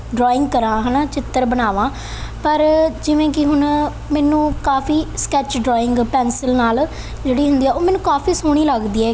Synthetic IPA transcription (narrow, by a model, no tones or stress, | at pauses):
ɖɾɔːɪ̃ŋɡkəɾãːɦɛːnaːt͡ʃɪt̪ːəɾbənaːʋãː | pəɾd͡ʒɪʋẽːkɪɦʊɳ | mɛːnũːkaːfʰiːskɛːt͡ʃɖɾɔːɪ̃ŋɡpɛːnsəlnaːl | d͡ʒeːɽiːɦʊ̃nd̪iːɛːoːmɛ̃ːnːũːkaːfʰiːsoːɽ̃iːləɡd̪iːɛː